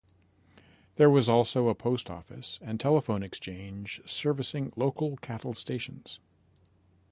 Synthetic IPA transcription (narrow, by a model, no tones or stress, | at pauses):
ðə˞wʌzɔlˠsoʊəpʰoʊstʰɔ̰fɨ̰sɨ̃ntʰɛlˠəfõʊ̃nɨkst͡ʃʰẽɪ̃nd͡ʒ̥sɜ˞vɨsɪ̃ŋloʊkl̩ˠkʰæɾl̩ˠsteɪʃɨ̃n̩z̥